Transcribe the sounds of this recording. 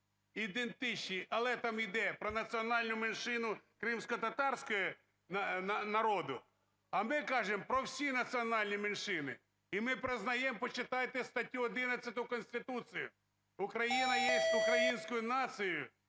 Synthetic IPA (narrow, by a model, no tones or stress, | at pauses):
id̪ent̪ɪt͡ʃnʲiʔɐlˠɛt̪ɑmid̪ɛpɾɔnɐt͡sʲiɔnɑlʲnʊmenʃɪnʊkɾɪmsʲkɔt̪ɐt̪ɑrsʲkɔjɔ | nɐnɐnɐɾɔd̪ʊ | ɐmɪkɑʒɪmpɾɔwsʲinɐt͡sʲiɔnɑlʲnʲimɪnʃɪnɪ | imɪpɾɪznɐjɛmpɔt͡ʃɪt̪ɑjt̪ɪst̪ɐtʲːuɔd̪ɪnɐt͡sʲːɐt̪ʊkɔnʲsʲt̪ɪt̪usɨjʊ | ʊkɾɐjinɐjɛsʲtʲʊkɾɐjinʲsʲkʊjʊnɑsɨjʊ